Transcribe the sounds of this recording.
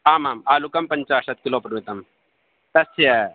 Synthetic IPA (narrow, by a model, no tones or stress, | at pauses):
aːmaːmaːlukɐmpəɲt͡ʃaːsɐt̪̚kiloːpɾmit̪ɐm | t̪ɐsje